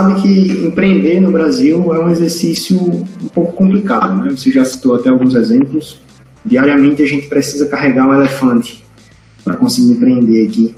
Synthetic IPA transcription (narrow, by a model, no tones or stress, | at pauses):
sabɪ̃kɪẽpɾeẽnd̪eɾnʊbɾaziwɛũezeɾsisjʊũpowkʊ̥kõmplikad̪ʊnɛvoseʒasi̥t̪owat̪ɛawɡũzɛzẽmplʊs | d̪iaɾiamẽnt̪ɪaʒẽnt̪ɪ̥pɾesizɐkaɦɛɡaɾũɛlɛfɐ̃nt̪ɪ̥ | pɾɐ̰kõsɪɡiɾẽpɾeẽnd̪eaki